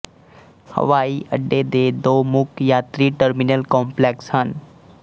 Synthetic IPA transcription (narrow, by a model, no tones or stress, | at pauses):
hə̰ʋaːiʔə̰ɖːed̪eːd̪oːmʊkʰjat̪ɾiʈəɾmɪnəlkɔ̃ːmpleːkshən